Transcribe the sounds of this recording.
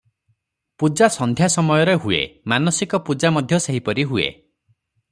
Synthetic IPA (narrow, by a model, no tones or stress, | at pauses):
pud͡ʒasɔnd̪ʱjasɔmɔjɔɾeɦuḛmanɔsikɔpud͡ʒamɔd̪ʱjɔseɦipɔɾiɦuḛ